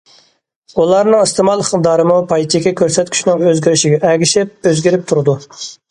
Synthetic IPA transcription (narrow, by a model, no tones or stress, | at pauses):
ulˠɑɾnɨŋɨst̪ʰɪmɑlˠχəqd̪ɑɾɨmupʰɑjt̪ʰɪkʲɛkʲʰøɾsɛt̪kʲy̥ʃnɪŋøzɡʲiɾɪʃɪɡʲɛʔɛɡʲiʃɪp̚øzɡʲiɾɪp̚t̪ʰuɾɨd̪u